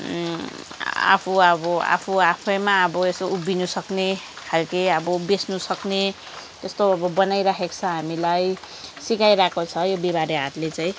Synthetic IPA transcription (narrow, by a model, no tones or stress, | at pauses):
a̰pʰuʌbʌa̰pʰuapʰʌjmaʌbʌesoubinusʌkne | kʰalkiʌbʌbesnusʌkne | t̪est̪oʌbʌbʌnajɾakʰekt͡sʰʌɦamilaj | sikajɾakot͡sʰʌjobiβaɾeɦat̪let͡saĩ